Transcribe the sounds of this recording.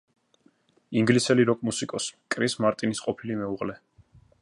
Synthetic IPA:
iŋɡlisɛliɾɔkʼmusikʼɔskʼɾismaɾt̪ʼinisqʼɔpʰilimɛuʁlɛ

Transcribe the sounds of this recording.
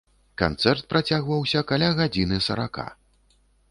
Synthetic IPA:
ka̰nt̪sɛrt̪̚pɾat͡sʲaɣvɐwsʲɐkalʲaɣad͡zʲinɨsɐɾaka̰

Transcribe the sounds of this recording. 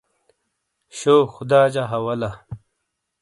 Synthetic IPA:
ɕoːxud̪aːd͡ʑaɦɐwɐlɐ

